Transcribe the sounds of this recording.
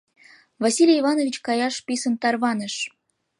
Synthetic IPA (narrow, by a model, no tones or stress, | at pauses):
vɑsʲilʲjivɑnovʲit͡ɕkɑjɑʃpʲisənt̪ɑrβɑnəʃ